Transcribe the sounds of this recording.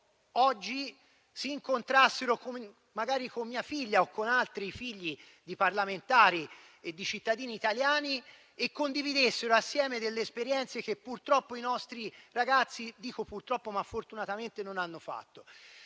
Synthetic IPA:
ɔd͡ʒːi | siːŋkont̪ɾasːeɾokom | mːaɡaːɾikomːiːafiʎːaokːonalt̪ɾifiʎːi | d̪iparlament̪aːɾi | ed̪ːit͡ʃit̪ːad̪iːniːt̪aljaːni | ekːond̪ivid̪esːeɾoasːjɛːmed̪elːeːspeɾjɛnt̪sekepːurt̪ɾɔpːoinɔst̪ɾiraɡat̪sːid̪iːkopurt̪ɾɔpːomafːort̪unat̪ament̪enonanːofa̰t̪ːo

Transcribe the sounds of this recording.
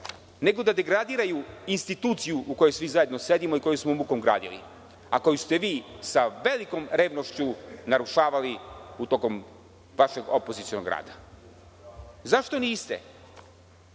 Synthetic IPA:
ne̞ɡo̞d̪ad̪e̞ɡɾad̪iːɾajuinst̪it̪uːt̪sijuʔuko̞jojsʋizaje̞d̪no̞se̞d̪imoiko̞josmoumukomɡɾa̰ːd̪ilḭ | ako̞just̪e̞ʋiːsaʋe̞liko̞mɾe̞ːʋno̞ʃt͡ɕunaɾuʃaːʋaliut̪oko̞m | ʋaʃeɡopo̞zit̪sio̞noɡɾa̰ːd̪a | zaʃt̪o̞niːst̪ḛ

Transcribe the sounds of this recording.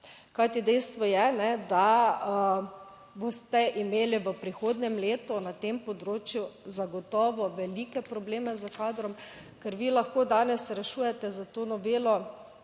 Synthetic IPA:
kajt̪id̪ɛjst̪ʋɔjɛnɛd̪a | boːst̪ɛʔimeːliʋəpɾixoːd̪nɛmleːt̪ɔnat̪empɔd̪ɾoːt͡ʃjuzaɡɔt̪ɔːʋɔʋɛlikɛpɾɔbleːmɛzəkaːd̪ɾɔm | kəɾʋiːlaxkoːd̪aːnɛsɾɛʃuːjɛt̪ɛzat̪oːnɔʋeːlɔ

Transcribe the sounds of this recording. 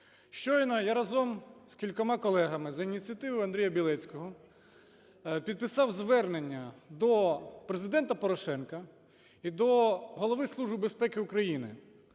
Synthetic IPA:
ʃt͡ʃɔjnɔjaɾɐzɔmskʲilʲkɔmɑkɔlˠɛɦɐmɪzɐinʲit̪t͡sʲɨjɐt̪ɪʋʊjɐnd̪ɾʲijɐbʲilˠɛt͡sʲkɔɦɔ | pʲid̪̚pɪsɑwzʋɛrnenʲːɐd̪ɔpɾezɪd̪ɛnt̪ɐpɔɾɔʃɛnkɐ | id̪ɔɦɔlˠɔʋɪslˠuʒbɪbe̞spɛkɪukɾɐjinɪ̰

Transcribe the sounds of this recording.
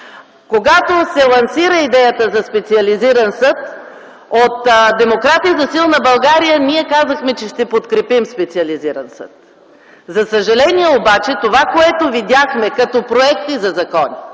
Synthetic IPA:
koɡat̪osɛlˠɐnsiɾəid̪ɛjət̪əzɐspɛt̪siɐliziɾɐnsɤt̪̚ | ot̪d̪ɛmokɾat̪ijəzɐsilˠnɐbɐlˠɡaɾijəniɛkazɐxmɛt͡ʃɛʃt̪ɛpot̪kɾɛpimspɛt̪siɐliziɾɐnsɤ̰t̪̚ | zɐsəʒɐlɛniɛobat͡ʃɛt̪ovakoɛt̪ovid̪ʲaxmɛkɐt̪ɔpɾoɛkt̪izɐzɐkɔni

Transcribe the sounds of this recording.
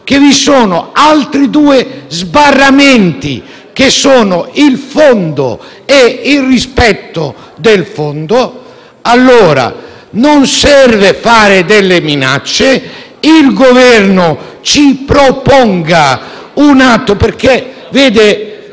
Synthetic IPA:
k̟evisoːnoalt̪ɾid̪uːɪzbarːamɛnt̪ḭ | k̟esːoːnʊilfond̪o̰ | eilrispɛt̪ːo | d̪elfond̪o | alːoːɾa̰ | nonsɛrvefaːɾɪd̪elːemina̰t͡ʃːe | ilɡovɛrnʊ | t͡ʃipɾopɔŋɡa | unat̪ːoperke | veːd̪ɪ

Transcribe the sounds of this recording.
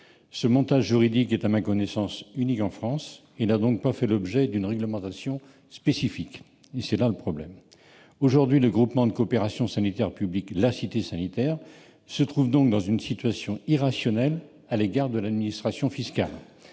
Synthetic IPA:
səmɔ̃t̪aʒːyʁid̪ikɛt̪amãkɔnɛsɑ̃synikɑ̃fχɑ̃s | elnad̪ɔ̃k̚pafɛlɔbʒɛd̪ynʁɛɡləmɑ̃t̪asjɔ̃ | spesifik | esɛlaləpχɔblɛm | oʒuʁd̪ɥiləɡʁupmɑ̃d̪əkoːpeʁasjɔ̃sanit̪ɛʁpybliklasit̪esanit̪ɛʁ | sət̪χuvd̪ɔ̃k̚d̪ɑ̃zynsit̪ɥasjɔ̃iʁasjɔnɛl | aleɡaʁd̪əlad̪minist̪χasjɔ̃fiska̰l

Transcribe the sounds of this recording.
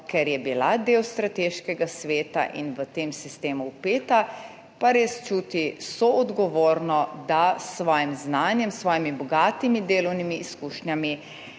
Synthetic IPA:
kɛɾjɛbilad̪eːwst̪ɾat̪eːʃkɛɡasʋeːt̪a̰ʔḭnʋət̪eːmsist̪eːmuwpeːt̪a | paɾeːst͡ʃuːt̪isɔɔd̪ɡɔʋoːɾnɔd̪asːʋɔːjimznaːnjɛmsʋɔːjimibɔɡaːt̪imid̪eːlɔwnimiːskuːʃnjami

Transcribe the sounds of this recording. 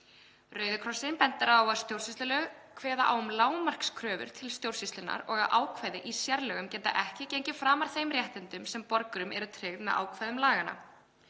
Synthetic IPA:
rœːɥðʏkʰɾɔsɪnpɛnt̪aɾawaðst̪jowɾ̥sist̪lalœɣkʰvɛːða̰ʔa̰wʏmlaːwmar̥kskʰɾœːvʏ̰ɾ̥t̪ʰɪlst̪jowɾ̥sist̪lɪna̰ɾɔɣaðʔaːwkʰvajðɪʔisjaɾlɛɣʏmcɛnt̪a̰ʔɛhcɪcejɲcɪfɾaːmaɾ̥θejmrjɛht̪ɪnt̪ʏmsɛmpɔɾkʏɾʏmʔɛ̰ɾʏt̪ʰɾɛɣmɛðʔa̰ːwkʰvajðʏmlaːɣana̰

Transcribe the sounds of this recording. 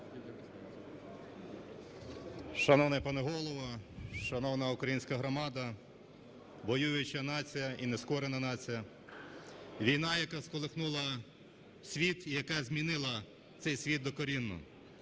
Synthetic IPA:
ʃɐnɔwnɐpɐneɦɔlˠɔʋɐʃɐnɔwnɐukɾɐjinʲsʲkɐɦɾɔmɑd̪ɐ | ʋɔjujʊt͡ʃɐnɑt͡sʲijɐʔineskɔɾenɐnɑt͡sʲijɐ | ʋʲijnɑjɐkɑskɔlˠexnulˠɐ | sʲʋʲit̪ijɐkɛzʲmʲinɪlˠɐ | t̪sɛjsʲʋʲid̪d̪ɔkɔɾʲinːʊ̰

